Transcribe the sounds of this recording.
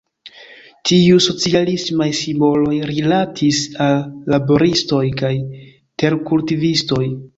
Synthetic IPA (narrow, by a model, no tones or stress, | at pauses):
tiuso̞t͡sialismajsimbo̞lo̞jɾilatʰisalːabo̞ɾisto̞jkaj | te̞ɾkultivisto̞j